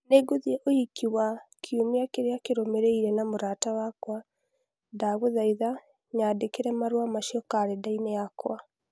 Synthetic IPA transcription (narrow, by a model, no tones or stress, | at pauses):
neːɡoðiɛʔoikiwakʰjomiakeɾeakeɾomeɾeiɾɛnamoɾaːtawakwa | daɣoðaiða | ɲadekeɾɛmaɾwamaʃiɔkaɾɛdaineakwa